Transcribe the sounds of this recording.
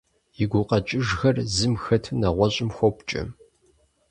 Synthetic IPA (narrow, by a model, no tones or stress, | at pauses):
jɪɡʷʊqɐt͡ʃʼɪʒxɐrzɨmxɐtʰɨnɐʁʷɔɕʼɪmxʷɔpt͡ʃʼɪ̰m